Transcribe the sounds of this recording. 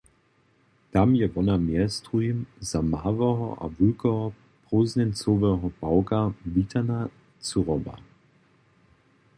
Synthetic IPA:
tamjɛvɔnamjɛstʁuimzamaːvɛɦɔʔa̰vulkɔɦɔ | pʁoznɛnt͡sovɛɦɔb̥aʊkavitʰana | t͡suʁɔba̰

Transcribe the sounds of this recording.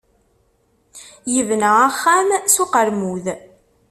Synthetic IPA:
jəvnəaχːæmsuqəɾmuð

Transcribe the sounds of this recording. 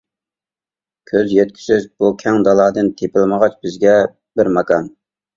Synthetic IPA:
kʲʰøzjɛt̪̚kʲʰi̥sɪzbukʲʰɛŋd̪ɑlˠɑːd̪ɨnt̪ʰepɪlˠməʁɑt͡ʃbɪzɡʲɛ | bɪɾmɑkɑm

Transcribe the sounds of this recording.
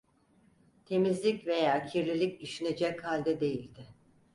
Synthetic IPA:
t̪ʰe̞mizlʲicve̞jaːcʰiɾlʲilʲiciʃined͡ʒɛchalʲd̪ɛd̪e̞jilʲd̪ɪ

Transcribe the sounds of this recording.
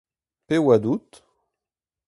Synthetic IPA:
pewad̪ut̪

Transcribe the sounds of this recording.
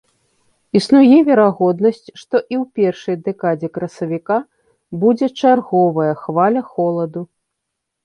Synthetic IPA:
isnujɛvʲɛɾaɣɔd̪nɐsʲt͡sʲʂt̪ɔʔiwpʲɛrʂɐjd̪ɛkad͡zʲɛkɾɐsɐvʲika | bud͡zʲɛt͡ʂarɣɔvɐjɐxvalʲɐxɔlˠɐd̪u

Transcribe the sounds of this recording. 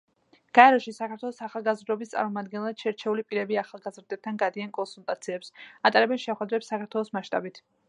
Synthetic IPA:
ɡ̥aɛɾɔʃisakʰaɾt̪ʰwɛlˠɔsaχalˠɡazɾd̪ɾɔbist̪sʼa̰ɾmɔmad̪ɡɛnɛlˠad̪̥ʃɛɾt͡ʃʰɛulipʼiɾɛbiaχalˠɡazɾd̪ɛb̚t̪ʰanɡad̪iankʼɔnsulˠt̪ʼat̪sʰiɛpsat̪ʼaɾɛbɛnʃɛχwɛd̪ɾɛpsːakʰaɾt̪ʰwɛlˠɔsmaʃt̪ʼa̰bit̪ʰ

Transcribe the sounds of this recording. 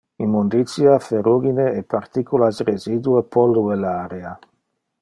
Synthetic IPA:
immund̪it̪sjafeɾuɡineepaɾt̪ikulasrezid̪uepʰɔluelaːɾea

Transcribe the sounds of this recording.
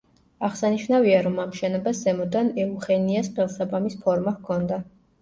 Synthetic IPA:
aʁsaniʃnaviaɾɔmamʃɛnɔbaszɛmɔd̪anɛuχɛniasχɛlˠsabamispʰɔɾmahkʰɔnd̪a

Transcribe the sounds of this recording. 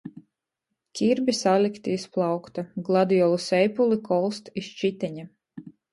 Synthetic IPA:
kʲiɾbʲisalʲikt̪iisplˠɑwkt̪aɡlˠad̪ijɔlˠusɛjpulˠikʰɔlˠst̪ist͡ʃit̪ʲɛɲa

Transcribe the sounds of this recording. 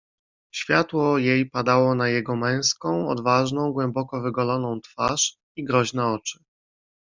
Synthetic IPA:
ɕfʲjat̪wɔjejpad̪awɔnajɛɡɔmɛ̃w̃skɔ̃w̃ɔ̰d̪vaʐnɔ̃w̃ɡwɛmbɔkɔvɘɡɔlɔnɔ̃w̃t̪faʂ | iɡɾɔʑnɛɔt͡ʂɘ̥

